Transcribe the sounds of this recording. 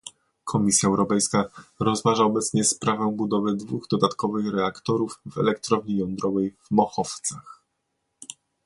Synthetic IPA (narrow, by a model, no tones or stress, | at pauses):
kʰɔmʲisʲjaɛwɾɔpɛjskaɾɔzmaʐaɔbɛt̪sɲɛspɾavɛ̃bud̪ɔvɘd̪vuɣd̪ɔd̪at̪kɔvɘxɾɛakt̪ɔɾuvvɛlɛkt̪ɾɔvɲijɔnd̪ɾɔvɛjvmɔxɔft̪sax